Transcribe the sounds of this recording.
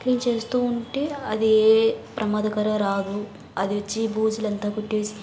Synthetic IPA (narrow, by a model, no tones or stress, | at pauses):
keːmt͡ʃe̞ːst̪uːuɳʈeːɐd̪ieːpɾɐmaːd̪ʱɐkɐɾɐɾaːd̪u | ɐd̪iʋɐt͡ʃːibuːd͡ʒulɐnt̪aːkuʈːeːsi̥